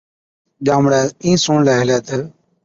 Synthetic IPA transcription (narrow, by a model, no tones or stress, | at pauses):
ʄaːmɽɛːĩːsõːɳlɛːɦɪlɛːt̪ə